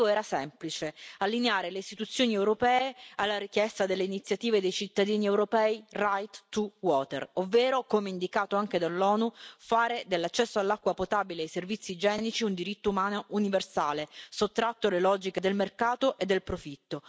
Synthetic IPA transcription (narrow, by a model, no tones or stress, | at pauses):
oɛːɾasɛmplit͡ʃealːineaːɾeleist̪it̪ut̪sːjoːniɛwɾopɛːealːaɾik̟jɛst̪ad̪elːeinit̪sːjat̪iːved̪ejt͡ʃit̪ːad̪iːniewɾopɛːirajt̪t̪ːuwɔːt̪ḛrovːeːɾokomeind̪ikaːt̪oaŋk̟ed̪alːɔːnufaːɾed̪elːat͡ʃːɛsːoalːakːwapot̪aːbileajservit̪sːid͡ʒɛːnit͡ʃiund̪iɾit̪ːoumaːnoʔuniversaːlesot̪ːɾat̪ːolelɔːd͡ʒiked̪elmerkaːt̪oʔed̪ːelpɾofit̪ːo